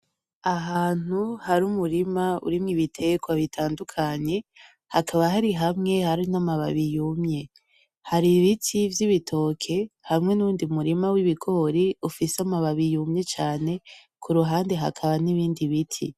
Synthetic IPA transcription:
aɦaːn̥uhaɾumuɾimaṵɾimŋiβitʰe̞ɡwaβitʰaːndukʰaɲe̞ | ha̰kʰaβaɦaɾiɦamŋe̞haɾinamaβa̰βijumɲe̞ | haɾiβitʰivjiβitʰo̞kʰe̞hamŋe̞nuːndiumuɾimawiβikʰo̞ɾiufiseamaβaβijumɲe̞t͡ʃaːne̞kʰuɾuɦaːnde̞ɦa̰kʰaβaniβiːndiβitʰḭ

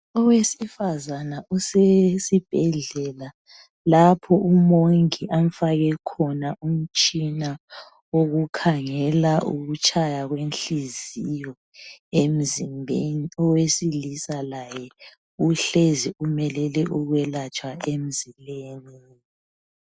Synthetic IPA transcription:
ɔwesifazanaʔusesib̥ʱɛɮɛla | lapʰɔumoŋiʔam̩faɣɛkʰɔnaum̩t͡ʃʼina | woɣukʰaŋɛlaʔṵɣut͡ʃʼʰajaɣwenɬizijɔ | em̩zimbʱeniɔwesilisalajɛ | uɬeziumɛlɛlɛʔuɣwɛlat͡ʃʰʼwaem̩zileniːni

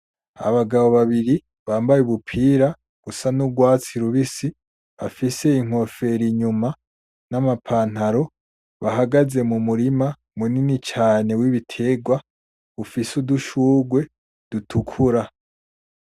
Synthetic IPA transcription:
a̰βaɡaβo̞βaβiɾi | βaːmbajuβupʰiːɾa | ɡ̥usanuɡwaːt͡siɾuβisi | afise̞iŋ̥o̞fe̞ɾiɲuma | namapʰaːn̥haɾo̞ | βaɦaɡaze̞mumuɾima | muninit͡ʃaːne̞wiβitʰe̞ɡwa | βufisuduʃuːɡwe̞ | d̥utʰukʰuɾa

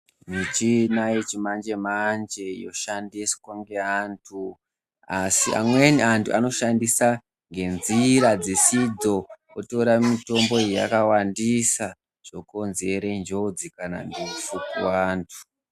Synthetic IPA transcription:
mit͡ʃinaet͡ʃimand͡ʒe̞mand͡ʒe̞jo̞̰ʃandiskwaŋɡe̞antʰu | asia̰mweniantʰuʔano̞ʃandisa | ŋɡe̞nziɾad͡zesid͡zo̞ | oto̞ɾamito̞mbo̞ija̰kawandisa | ʐ̥o̞ko̞nze̞ɾend͡ʒo̞d͡zikana̰ndesukṵwaːntʰu̥

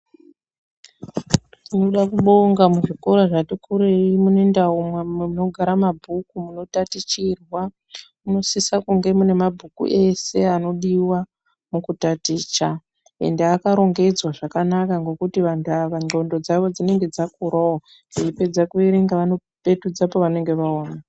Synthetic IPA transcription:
tinoɗakuɓo̞ŋɡamuʐikoɾaʐatikuɾeimune̞ndaumwememuno̞ɡʱaɾamabʱukumuno̞tatit͡ʃirwa | uno̞sisakuŋɡe̞mune̞mabʱukṵʔe̞se̞ano̞ɗiwa | mukutatiːt͡ʃa | ḛndeakaɾo̞ŋɡe̞d͡zwaʐakanakaŋɡo̞kutiʋantaʋaŋ͡ǃo̞ndo̞d͡zaʋo̞d͡zine̞ŋɡe̞d͡zakuɾao | ɡeipe̞d͡zakueɾeŋɡaʋano | pe̞tud͡zapo̞ʋane̞ŋɡe̞ʋaoːna

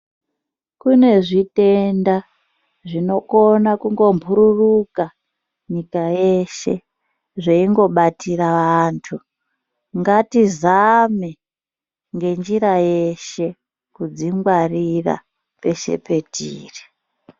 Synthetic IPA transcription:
kune̞ʐite̞nda | ʐino̞konakuŋɡo̞mbʱuɾuruka | ɲikaje̞ʃḛ | ʐeiŋɡo̞ɓatiɾaʋantʰu | ŋɡatizami | ŋɡe̞nd͡ʒiɾaje̞ʃe̞ | kud͡ziŋɡwarira̰ | pe̞ʃe̞̰pe̞tiːri̥

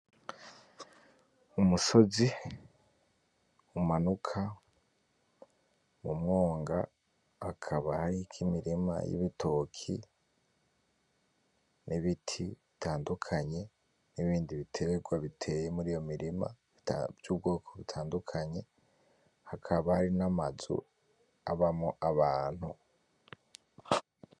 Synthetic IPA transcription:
umuso̞zi | umanukʰa | mumŋo̞ːŋɡa̰ː | kʰaβahaɾikʰimiɾima̰jḭβitʰo̞kʰḭ | nʔiβitʰiβitʰaːndukʰaɲe̞ | niβiːndiβitʰe̞ɾe̞ɡwaβitʰe̞jemuɾijo̞miɾima̰ | vjuːbɡo̞ːkʰo̞βitʰaːndukʰaɲe̞ | hakʰaβahaɾinamazṵ | aβamŋoʔaβaːn̥hu

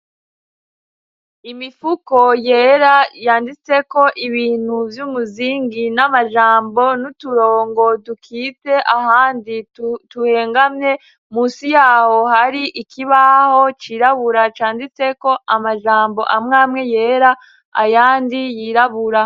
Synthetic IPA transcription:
imifuko̞je̞ːɾajaːndit͡se̞ko̞ʔiβiːn̥huvjuːmuziːŋɡinamaʒaːmbo̞nutuɾoːŋɡo̞dukʰiːte̞ʔahaːndituhe̞ːŋɡamɲe̞ | muːsijaːho̞haɾiʔikʰiβaho̞t͡ʃiːɾaβuɾat͡ʃaːndit͡se̞ko̞ʔamaʒaːmbo̞̰ʔamŋaːmŋe̞jeːɾa | a̰jaːndijiːɾaβuɾa

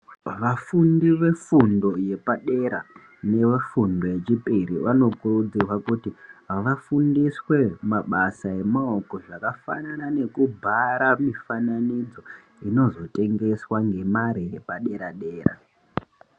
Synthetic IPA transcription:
ʋafundiʋe̞fundo̞je̞paɗe̞ɾa | ne̞ʋefundo̞je̞t͡ʃipiɾiʋano̞kurud͡zirwakutiʋafundiswe̞maɓasae̞mao̞ko̞ʐakafa̰nanane̞kubʱaɾamifananid͡zo̞ | ino̞zo̞te̞ŋɡe̞swaŋɡe̞maɾije̞paɗe̞ɾaɗe̞ːra̰

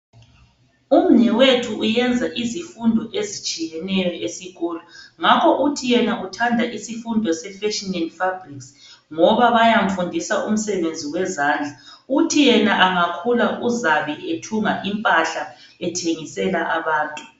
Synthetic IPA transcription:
um̩ɲɛwetʰuujɛnd͡zʱaʔizifundʱɔʔezit͡ʃʼijɛnɛjɔʔesiɣɔːlɔŋakʰɔʔutʰijɛnautʰandʱaʔisifundʱɔsɛfɛʃininfabriks | ŋɔβaβajaɱ̩fundʱisaʔum̩sɛβend͡zʱiwɛzaːnd͡ɮʱautʰijɛnaʔaŋakʰulaʔuzaβietʰuŋaʔimpʼaɬa | ɛtʰeŋisɛlaʔaβaːntʼu

